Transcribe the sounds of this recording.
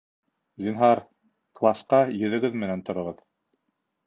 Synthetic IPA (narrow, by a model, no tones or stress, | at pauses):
zʲinɦɑɾ | klˠɑsqɑjɵ̆ðɘ̆ɡɵðmɘ̆nænt̪ŏɾŏʁɤð